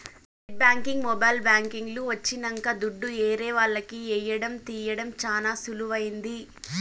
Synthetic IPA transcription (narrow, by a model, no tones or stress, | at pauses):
eʈ̚baːŋkiŋɡmɔbɐːjlbaːŋkiŋɡluʋɐt͡ʃːinɐŋkɐd̪uɖːuɛːɾɛːʋaːɭːɐkiɛːjɐɽɐmt̪iːjɐɽɐmt͡ʃaːnaːsuluʋɐjind̪i